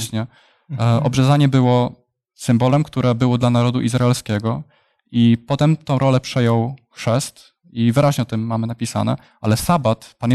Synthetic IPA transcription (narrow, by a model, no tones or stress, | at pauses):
ɕɲɛ | ɔbʐɛzaɲɛbɘwɔ | sɘmbɔlɛmkt̪uɾʔɛbɘwɔd̪lanaɾɔd̪uʔizɾaɛlskʲɛɡɔ | ipɔt̪ɛmt̪ɔ̃w̃ɾɔlɛpʂɛjɔwxʂɛst̪ | ivɘɾaʑɲɛɔt̪ɘmːamɘnapʲisa̰nɛ̰ | ʔalɛsabat̪pan